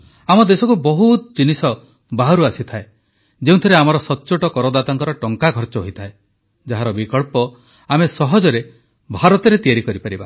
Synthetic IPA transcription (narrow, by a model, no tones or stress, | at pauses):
amɔd̪esɔkubɔɦut̪d͡ʒinisɔ | baɦɔɾuasit̪ʰae | d͡ʒeũt̪ʰɔɾeamɔɾɔsɔtːt͡ʃoʈɔkɔɾɔd̪at̪ɔŋkɔɾɔʈɔŋkaɡʱɔɾt͡ʃɔɦoit̪ʰae | d͡ʒaɦaɾɔbikɔɭpɔ | amesɔɦɔd͡ʒɔɾe | bʱaɾɔt̪ɔɾet̪ijaɾikɔɾipaɾiba